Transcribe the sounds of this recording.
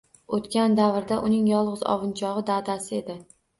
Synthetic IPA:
ot̪kʲand̪avɾd̪aʔʊnɪŋjɒlˠʁɨzɒ̰vɪnt͡ʃʰɒʁɨd̪ad̪asɪe̞d̪ɪ

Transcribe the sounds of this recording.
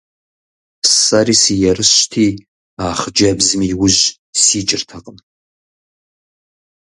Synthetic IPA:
pʰsarisijaɾɨʃtʰi | aːχd͡ʒabzmiwʊʒ | sit͡ʃʼɪrtʰaqʼəm

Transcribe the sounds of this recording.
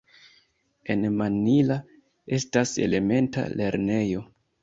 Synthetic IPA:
e̞nmanila | e̞stase̞̰le̞me̞nta̰le̞ɾne̞jo̞

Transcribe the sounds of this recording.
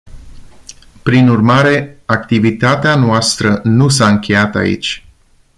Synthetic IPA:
pɾinurmaɾe̞ak̚t̪ivit̪at̪eanoast̪ɾənusaɨŋkʰʲe̞jat̪a̰ḭt͡ʃʲ

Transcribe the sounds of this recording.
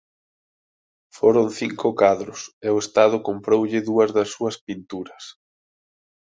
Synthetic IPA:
foɾonθiŋkʊkaðɾʊseʊest̪að̞ʊkompɾowʎɪðuɐzðɐsːuɐspint̪uɾɐs

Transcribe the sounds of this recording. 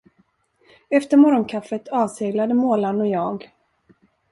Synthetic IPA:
ɛft̪əɾmɔɾɔnkʰafːət̪ʰɑːvseːɡlad̪əmoːlanɔjɑːɡ

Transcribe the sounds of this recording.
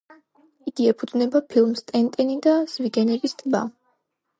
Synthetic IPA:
iɡiɛpʰud̪znɛbapʰilˠmst̪ʼɛnt̪ʼɛnid̪az̥viɡɛnɛbist̪ʼba̰

